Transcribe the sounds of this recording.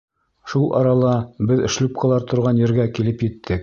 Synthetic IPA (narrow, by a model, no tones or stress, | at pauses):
ʃulˠʔɑ̰ɾɑlˠɑbɘðɘ̆ʃlɵp̚qʰɑ̆lˠɑɾt̪ŏɾʁɑnjɘ̆ɾɡækilɘpjɘ̆t̪ʰːɘk̚